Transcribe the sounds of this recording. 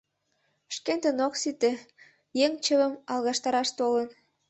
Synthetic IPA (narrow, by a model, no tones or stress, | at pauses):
ʃkent̪ənoksit̪e | jeŋt͡ɕəβəmɑlˠɣɑʃt̪ɑɾɑʃt̪olən